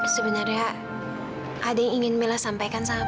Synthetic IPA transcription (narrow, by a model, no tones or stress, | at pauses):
səbənarɲa | ʔadajaŋiŋɪnmelasampajkansaŋa